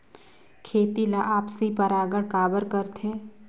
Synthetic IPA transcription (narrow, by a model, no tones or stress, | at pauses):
kʰeːt̪ilaʔaːpsipəɾaːɡəɽkaːbəɾkəɾt̪ʰe